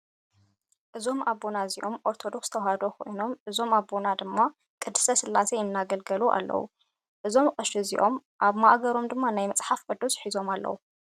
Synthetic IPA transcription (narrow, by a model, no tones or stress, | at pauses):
ʔɨzo̞mʔaβːonaziʔo̞mʔo̞ɾt̪ʰo̞d̪o̞kst̪ʰɐwhad̪okʰo̞̰jno̞mʔɨzo̞maβo̞nad̪ɨmːa | kʼɨd̪ɨ̥sɐsɨlʔasejɪnːaɡɐlɡɐluʔa̰lːɐ̰wṵ | ʔɨzo̞mkʼɨʃɨzḭʔo̞mʔaβmaʔɡɐɾo̞md̪ɨmːanajmɐt͡sʼħafkʼɨd̪usħizo̞malːɐ̰wu